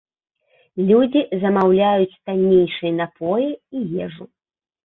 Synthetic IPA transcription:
lʲud͡zʲizɐmawlʲajut͡sʲt̪anʲːejʂɨjnapʰɔjiijɛʐu

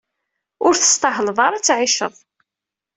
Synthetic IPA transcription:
ʊɾθə̥st̪ɑɦlvˤɑɾˤæt͡sːʕɪʃə̰ðˤ

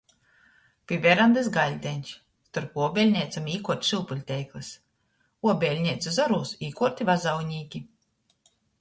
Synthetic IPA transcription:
pʲivʲɛɾand̪ɛsɡalʲd̪ʲɛnʲʃ | st̪uɾpuɔbʲɛlʲɲʲɛjt̪samiːkuɔt̪ʲʃilˠpulʲt̪ʲɛjklˠɨs | uɔbʲɛlʲɲʲɛjt̪sʲuzɔɾuːsiːkɔɾt̪ʲivazawɲʲiːkʲi

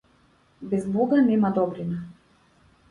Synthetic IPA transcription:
bɛzbɔɡanɛmad̪ɔbɾina

